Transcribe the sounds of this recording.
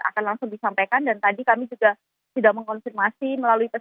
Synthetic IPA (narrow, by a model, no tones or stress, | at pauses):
a̰kanlaŋsʊŋdisampakandant̪adikamid͡ʒuɡa | sudaməŋkɔnfirmasiməlaluipə